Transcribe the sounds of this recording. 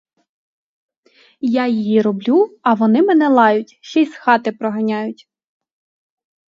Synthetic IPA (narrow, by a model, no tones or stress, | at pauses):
jɑjijiɾɔblʲuɐʋɔnɪmɛnɛlˠɑjʊtʲʃt͡ʃɛjsxɑt̪ɪpɾɔɦɐnʲɑjʊtʲ